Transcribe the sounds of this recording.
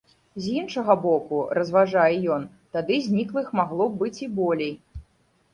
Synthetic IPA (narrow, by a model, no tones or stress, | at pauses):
zʲinʂɐɣɐbɔkurɐzvaʐajɛjɔn | t̪ad̪ɨzʲnʲiklˠɨxmaɣlˠɔbɨt͡sʲibɔlʲej